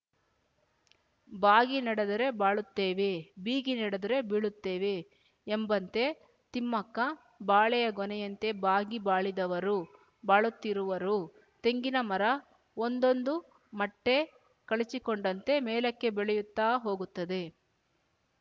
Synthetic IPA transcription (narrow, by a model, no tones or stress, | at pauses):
baːɡinɐɽɐd̪ɐɾe̞baːɭut̪ːeːʋe̞biːɡinɐɽɐd̪ɐɾe̞biɭut̪ːeːʋe̞ː | mbɐnt̪e̞ | t̪imːɐkːɐ | baːɭɛjɐɡɔnɛjɐnt̪e̞baːɡibaːɭid̪ɐʋɐɾu | baːɭut̪ːiɾuʋɐɾu | t̪e̞ŋɡinɐmɐɾɐ | ond̪o̞nd̪u | mɐʈːe̞ | kɐɭit͡ʃikoɳɖɐnt̪e̞mɛːlɐkːe̞bɛɭɛjut̪ːaːɦo̞ːɡut̪ːɐd̪e̞